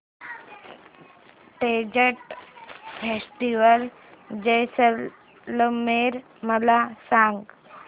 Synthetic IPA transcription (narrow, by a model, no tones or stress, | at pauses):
ʈed͡ʑəʈ | fʰesʈiʋəl | d͡ʑejsəl | ləmeɾ | məlasãŋɡ